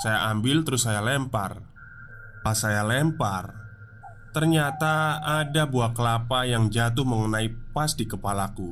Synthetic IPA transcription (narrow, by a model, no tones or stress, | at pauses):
sajaʔambɪlt̪əɾʊsːajalɛmpa̰r | pasajalɛmpar | t̪ərɲat̪aːdabuahkəlapajaŋd͡ʒat̪̬ʊhməŋənaipasdikəpalaku